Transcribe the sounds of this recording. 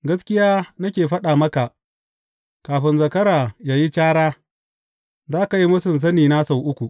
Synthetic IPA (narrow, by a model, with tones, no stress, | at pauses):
ɡɐ˦skʲɪ˦jaː˦nɐ˦kʲeː˨ɸɐ˦ɗaː˨mɐ˦ka˨ʔ | kaː˨ɸɪ˦nzɐ˨kɐ˦ɾaː˨jaː˨ji˦t͡ʃaː˦ɽaː˦ | zaː˦ka˨ji˦mʊ˦sɪ˨ns̬ɐ˦niː˨na˦sa˨wʔʊ˦kʷu˨ʔ